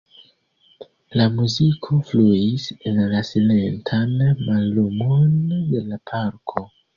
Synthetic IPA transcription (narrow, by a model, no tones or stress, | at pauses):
lamuzikʰo̞fluisenlasile̞ntʰanmalːumonde̞lapʰaɾkʰo̞